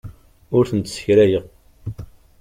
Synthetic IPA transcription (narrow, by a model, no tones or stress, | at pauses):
ʊɾθənt̪sə̥çɾæjəʁ